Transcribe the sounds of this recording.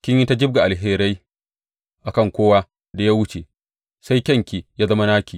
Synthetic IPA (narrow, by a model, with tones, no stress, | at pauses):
kʲɪ˦ɲji˦ta˦d͡ʒɪ˦b̚ɡa˨ʔa˨lɦeː˦ɾa˦j | ʔa˨kɐ˦˨ŋkʷoː˦wa˦ | da˨ja˦wʊ˦t͡ʃe˨ | sa˦jkʲɐ˦˨ŋkʲiː˨jaː˦zɐ˦ma˦naː˦kʲiː˨